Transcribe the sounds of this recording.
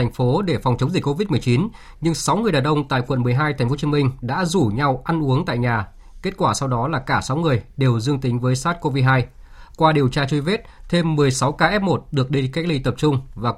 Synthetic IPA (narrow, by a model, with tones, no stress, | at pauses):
ŋ̟fo˨˦ɗe˧˩fɔ˨˩wŋ͡mt͡ɕə˨˦wŋ͡mzï˨˩ko˧vi˦˥t̚m˨˩əjt͡ɕi˨˦n | ɲɨ˧ŋsa˨˦wŋ͡mŋɨ˨˩əjɗaː˨˩ɗʔə˧wŋ͡mt̪a̰ː˧˨jkwə̰˧˨nmɨ˨˩jɦaː˧jt̪ʰɛ˨˩ŋ̟fo˨˦t͡ɕi˨˧˦mï˧ŋ̟ɗa̰ː˧˥zu˧˩ɲa˧wʔa˧nʔu˨˦əŋt̪a̰ː˧˨jɲaː˨˩ | ke˦˥t̚kwaː˧˩sa˧wɗɔ˨˦laː˨˩kaː˧˩sa˨˦wŋɨ˨˩əjɗe˨˩wzɨ˧əŋt̪ï˨˦ŋ̟vəː˨˦jsaː˦˥t̚ko˧vi˧ɦaː˧jkwaː˧ɗi˨˩əwt͡ɕaː˧t͡ɕu˧jve˦˥t̚t̪ʰe˧mːɨ˨˩əjsa˨˦wkaː˧ʔɛ˦˥p̚mo˨˩t̚ɗɨ˨˩ək̚ɗi˧ka˦˥k̚li˧t̪ə˨˩p̚t͡ɕʊ˧ŋ͡mvaː˨˩